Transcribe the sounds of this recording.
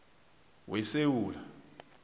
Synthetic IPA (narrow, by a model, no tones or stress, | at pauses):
wɛsewuːla